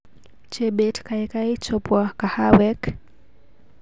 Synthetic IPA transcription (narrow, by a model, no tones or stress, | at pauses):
t͡ʃɛbɛtkaɛkajt͡ʃɔpwakahawɛk